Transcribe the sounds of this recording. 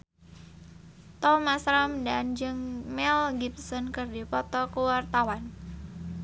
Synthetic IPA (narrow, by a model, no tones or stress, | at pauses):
t̪ɔmasɾamdand͡ʒɨŋmɛlɡip̚sɔnkərdipɔt̪ɔkəwart̪awan